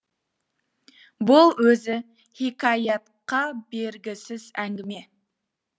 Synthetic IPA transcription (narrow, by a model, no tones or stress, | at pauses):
bʊlˠwɵzɪ | hikʰɑjɑt̪qɑbe̞ɾɡʲɪsɪzæŋɡʲɪme̞